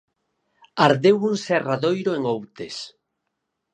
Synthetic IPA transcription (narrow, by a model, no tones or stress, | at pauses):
aɾðewuŋsɛraðojɾoeŋowt̪es